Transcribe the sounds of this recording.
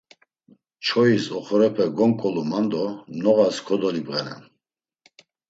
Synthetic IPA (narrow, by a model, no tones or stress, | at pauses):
t͡ʃʰɔisɔχɔɾɛpʰɛɡɔŋkʼɔlumand̪ɔmnɔɣaskʰɔd̪ɔlibʁɛnɛ̰n